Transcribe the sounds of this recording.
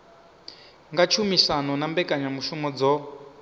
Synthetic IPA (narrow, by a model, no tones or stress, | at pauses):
ŋɡat͡ʃʰumisanɔnambɛkʼaɲamuʃumɔd͡zɔ